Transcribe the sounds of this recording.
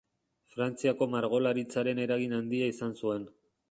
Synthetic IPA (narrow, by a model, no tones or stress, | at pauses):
fɾant͡siako̞maɾɣ̞o̞laɾit͡saɾe̞ne̞ɾaɣinand̪iaisansue̞n